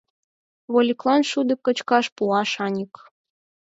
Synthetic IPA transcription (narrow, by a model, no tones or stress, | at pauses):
βolʲiklˠɑnʃud̪ɤ̆kːə̆t͡ɕkɑʃpuɑʃɑnʲək